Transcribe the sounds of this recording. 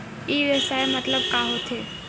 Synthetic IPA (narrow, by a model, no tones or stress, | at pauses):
eʋjəʃaemət̪ləb̚kaɦot̪ʰe